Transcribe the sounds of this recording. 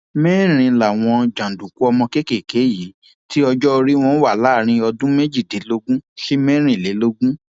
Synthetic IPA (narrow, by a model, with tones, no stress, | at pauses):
mɛ˦˨ɾ̃ĩ˧la˨w̃ɔ̃˧d͡ʒã˨dũ˨ku˦ɔ˧mɔ̃˧ke˦ke˦˨ke˨˦ji˨˦ | ti˦ɔ˧d͡ʒɔ˦o˧ɾi˦w̃ɔ̃˦wa˦˨laː˦˨ɾ̃ĩ˧ɔ˧dũ˦me˦d͡ʒi˦˨de˨˦lo˧ɡũ˦ʃe˦mɛ˦ɾ̃ĩ˦˨le˨˦lo˧ɡũ˦